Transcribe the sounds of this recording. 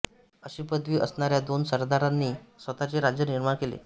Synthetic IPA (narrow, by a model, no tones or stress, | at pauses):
əɕiːpəd̪ʋiːʔəsnaɾjad̪onsəɾd̪aɾanːiːsʋət̪at͡seɾad͡ʑjəniɾmaɳkelḛ